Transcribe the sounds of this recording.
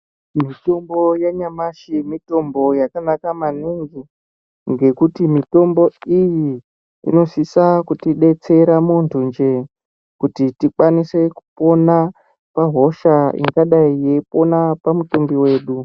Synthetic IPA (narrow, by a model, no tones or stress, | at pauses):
mito̞mbo̞jeɲamaʃimito̞mbo̞jakanakamaniŋɡi | ŋɡe̞kutimito̞mbo̞iji | ḭno̞sisakutiɗe̞t͡se̞ɾamontʰund͡ʒe̞ | kutitikwanise̞ku̥po̞na | paɦo̞ʃaḭŋɡaɗaijeipo̞napamutombiwe̞ːɗu